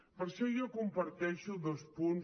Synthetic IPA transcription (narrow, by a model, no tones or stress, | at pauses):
pəɾʃɔjɔkumpəɾt̪ɛʃuðospun